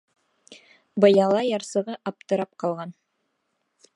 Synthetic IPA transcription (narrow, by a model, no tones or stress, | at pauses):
bɤ̆jɑlˠɑjɑɾsɤ̆ʁɤʔɑp̚t̪ɤ̆ɾɑp̚qɑlˠʁɑn